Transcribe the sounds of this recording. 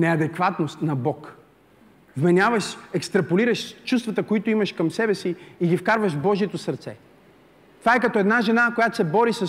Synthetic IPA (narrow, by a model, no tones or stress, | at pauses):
nɛɐd̪ɛkvat̪nost̪nɐbɔk | vmɛnʲavəʃɛkst̪ɾɐpoliɾəʃt͡ʃust̪vɐt̪əkoit̪oimɐʃkɐmsɛbɛsiiɡifkaɾvəʒvbɔʒiɛt̪osɐɾt̪sɛ̰ | t̪ovaɛkɐt̪ɔɛd̪naʒɛnakojat̪o̥sɛbɔɾisə